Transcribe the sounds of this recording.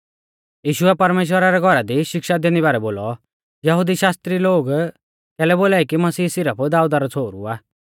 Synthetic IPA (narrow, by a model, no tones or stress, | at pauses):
jiːʃʊɛpɐɾmeːʃ̬wəɾaɾɛɡʱɔɾad̪iʃɪkʃad̪eːñiβaːɾɛboːlɔ | jɐɦud̪iʃaːst̪ɾiloːɡ | kɛːlɛboːlaːikimɐsiːsɪɾəpʰd̪aːud̪aɾɔt͡sʰoːɾṵaː